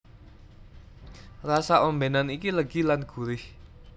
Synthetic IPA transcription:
rasaʔombenanikiləɡ̥ilanɡ̥ṳɾɪh

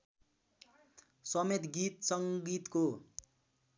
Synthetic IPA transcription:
sʌmet̪ɡit̪sʌŋɡit̪ko

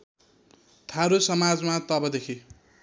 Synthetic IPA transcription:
t̪ʰaɾusʌmad͡zmat̪ʌbʌd̪ekʰi

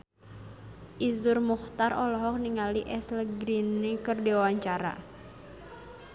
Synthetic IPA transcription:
ʔizʊrmuxt̪arʔɔlɔɦɔk̚niŋaliʔɛsləɡɾinikərdiawaɲt͡ʃaɾa̰

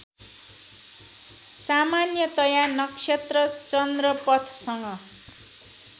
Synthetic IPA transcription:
samanjʌt̪ʌjanʌksʰet̪rʌt͡sʌnd̪rʌpʌt̪ʰsʌŋɡʌ

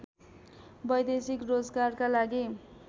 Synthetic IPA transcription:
bʌjd̪esikrod͡zɡarkalaɡi

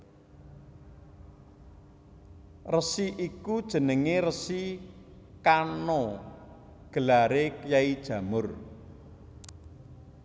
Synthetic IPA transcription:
rəsiʔikud̥ʒ̥ə̤nəŋerəsi | kano | ɡ̥ə̤laɾekjaid̥ʒ̥ä̤mʊr

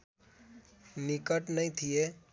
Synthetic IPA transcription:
nikəʈnəĩt̪ʰije

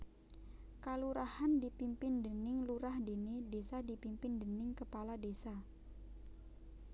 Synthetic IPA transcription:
kaluɾahandipimpɪndənɪŋluɾahdenidesadipimpɪndənɪŋkəpaladesa

